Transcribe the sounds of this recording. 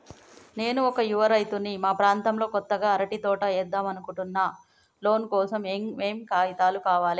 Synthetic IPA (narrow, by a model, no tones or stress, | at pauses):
ne̞ːnuɔkɐjuʋɐɾɐjt̪unːimaːpɾaːnt̪ɐmlo̞ːkɔt̪ːɐɡaːɐɾɐʈit̪ɔːʈɐɛd̪ːaːmɐnukuɳʈunːɐ | lo̞ːnkɔːsɐmeme̞ːmkaːjit̪aːlukaːʋaːli